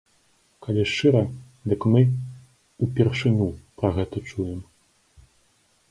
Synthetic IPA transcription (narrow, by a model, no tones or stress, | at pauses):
kalʲɛʂt͡ʂɨɾɐ | d̪ɨkmɨ | upʲɛrʂɨnʲupɾɐɣɛt̪ɐt͡ʂujɛm